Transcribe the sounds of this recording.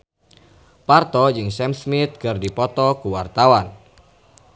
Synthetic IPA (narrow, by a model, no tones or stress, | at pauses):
part̪ɔd͡ʒɨŋsɛmsmit̪̚kɨrdipɔt̪ɔkuwart̪awan